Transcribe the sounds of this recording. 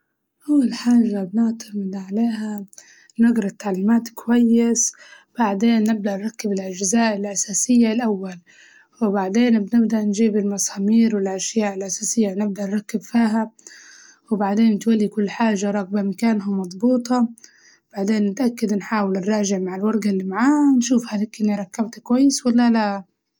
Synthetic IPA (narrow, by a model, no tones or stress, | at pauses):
ʔawːalħaːʒabnɪʕt̪ʰamɪd̪ʕaleːha | naɡɾˤɑt̪ːaʕlːɪmaːt̪kwajːɪs | b̥aʕd̪eːnːɪb̚d̪aʔnɾˤɑkːɪbɪlʔad͡ʒzaːʔɪlʔasaːsɪjːalʔawːal | wɪbaʕd̪eːnbnɪbd̪aʔnd͡ʒiːbɪlmɑsaːmiːɾwɪlʔaʃjaːʔɪlʔasaːsɪjːanɪb̚d̪aʔnɾˤɑkːɪbfiːɦa | wbaʕd̪eːnt̪walːikʊlːħaːʒaɾˤɑɣbamkaːnɦʊmmːɑd̪ˤbuːt̪ˤɑ | b̥aʕd̪eːnːɪt̪ʔakːad̪nħaːwɪlnɾˤɑːʒɪʕmaʕɪlwɑɾˤɡalːimaʕaːnʃuːfhalɪkʔɪnːiɾˤɑkːabt̪kwajːɪswalːalaʔ